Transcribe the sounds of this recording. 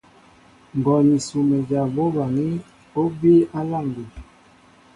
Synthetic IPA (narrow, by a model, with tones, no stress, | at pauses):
ŋ˨ɡɔ˨ni˨su˨mɛ˨d͡ʒa˨bo˦ba˨ŋi˦ | o˦bi˦a˦la˦˨ŋɡu˨